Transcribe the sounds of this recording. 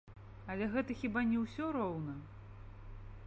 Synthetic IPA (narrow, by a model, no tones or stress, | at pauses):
ɐlʲɛɣɛt̪ɐxʲibanʲɛwsʲɔɾɔwnɐ